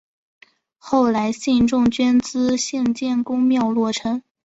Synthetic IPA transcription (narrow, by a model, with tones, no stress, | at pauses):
xo˥˩ʊla˧˥ɪɕi˥˧nʈ͡ʂʊ˥˧ŋt͡ɕɥɛ˥nt͡sɹ̩˥ɕjɛ˥˧nt͡ɕjɛ˥˩nkʊ˥ŋmjɑ˥˧ʊlwɔ˥˩ʈ͡ʂʰɤ˥ŋ